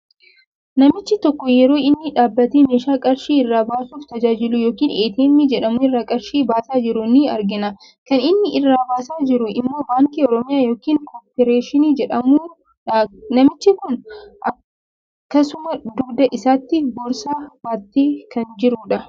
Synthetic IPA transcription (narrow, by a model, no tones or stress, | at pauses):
nɐmɪt͡ʃːɪt̪ɔkːɔjɛɾo̞ːɪnːɪᶑaːbːɐt̪eːmeːʃaːkʼɐɾʃiːɪrːaːbaːsuːft̪ɐd͡ʒaːd͡ʒɪlʊjoːkiːneːt̪eːnːɪd͡ʒɛᶑɐmʊɪrːaːkʼɐɾʃiːbaːsaːd͡ʒɪɾʊnɪɐ̰ɾɡɪnɐ | kɐnɪnːɪʔɪrːaːbaːsaːd͡ʒɪɾʊʔɪmːo̞ːbaːŋkiːɔɾɔmɪjaːjo̞ːkiːŋkoːpɛɾeːʃɪniːd͡ʒɛᶑɐmu | nɐmɪt͡ʃːɪkʊnʔɐ | kːɐsʊmɐd̪ʊɡd̪ɐʔɪsaːt̪ːɪbɔɾsaːbaːt̪ːeːkɐnd͡ʒɪɾuːᶑɐ